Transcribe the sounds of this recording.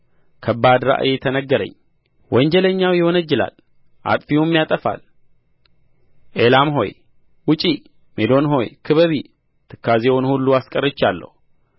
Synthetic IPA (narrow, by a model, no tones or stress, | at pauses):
kʰəbːad̪ɾa̰ʔjet̪ʰənəɡːəɾə̰ɲː | wʔɔɲd͡ʒɛləɲːawjɪhonəd͡ʒːɪla̰l | ʔa̰t̪ʼfiwumːjat̪ʼəfa̰l | ʔelamɦo̞̰j | wʊt͡ʃʼi | med̪o̞nɦo̞jkʰɨβəβi | t̪ʰɨkʰːazewonhulːuaskʼərːɨt͡ʃːalːə̰hu